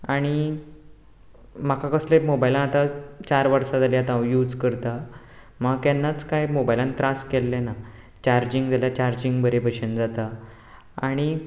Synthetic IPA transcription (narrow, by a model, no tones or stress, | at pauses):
aɽ̃i | m̤akʰakəslẽmobajlãnat̪at͡ɕaɾʋəɾsad͡zaliat̪ãjuːd͡zkəɾt̪a | maɡt̪anːat͡skajmobajlãnt̪ɾaskɛlːena | t͡ɕaɾd͡ʑiŋɡd͡zaljat͡ɕaɾd͡ʑiŋɡbəɾebəɕənd͡zat̪aː | ɽ̃i